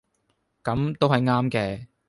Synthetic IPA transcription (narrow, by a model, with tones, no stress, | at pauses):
kɐ˨˧˥mt̪o˥whɐ˨jŋaː˥mkɛː˧